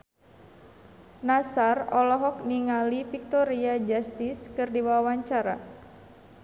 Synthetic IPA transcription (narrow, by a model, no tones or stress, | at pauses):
nasarɔlɔɦɔk̚niŋalifik̚t̪ɔɾiad͡ʒast̪iskɨrdiwawaɲt͡ʃaɾa